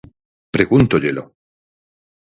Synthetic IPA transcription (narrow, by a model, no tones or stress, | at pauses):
pɾeɣunt̪oʎelo